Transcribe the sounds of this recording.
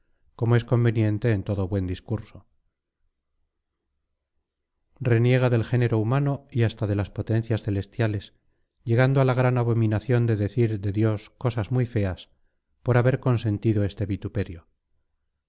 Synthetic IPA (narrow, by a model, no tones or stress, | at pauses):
ko̞moe̞sko̞mbe̞njẽ̞nt̪e̞ːnt̪o̞ðo̞βwe̞nd̪iskuɾso̞ | re̞nje̞ɣ̞aðe̞lxe̞ne̞ɾo̞umano̞iast̪aðe̞laspo̞t̪e̞nθjasθe̞le̞st̪jale̞s | ʝe̞ɣ̞and̪oalaɣ̞ɾanaβo̞mĩnaθjo̞nd̪e̞ðe̞θiɾðe̞ðjo̞sko̞sazmujfe̞as | po̞ɾaβe̞ɾko̞nse̞nt̪iðo̞e̞st̪e̞βit̪upe̞ɾjo̞